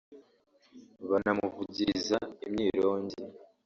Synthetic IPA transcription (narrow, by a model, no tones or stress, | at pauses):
βanamuvuɟizaimɲiːɾoːɲɟi